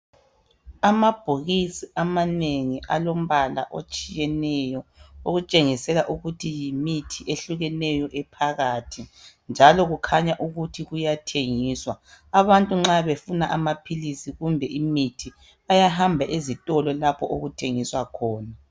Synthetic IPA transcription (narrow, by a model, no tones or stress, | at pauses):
amab̥ʱuɣisiʔamaneŋiʔa̰lom̩βala̰ʔot͡ʃʼijɛnɛjɔoɣut͡ʃʼeŋisɛlaʔuɣutʰijimitʰiʔeɬuɣɛnɛjɔʔɛpʰaɣatʰi | nd͡ʒʱalɔɣukʰaɲaʔuɣutʰiɣujatʰeŋiːswaaβantʼuŋ͡ǁaβefunaʔamapʰilisiɣumbʱɛʔimitʰi | ajaɦambʱaʔizitʼɔlɔlapʰɔʔoɣutʰeŋiswakʰɔːna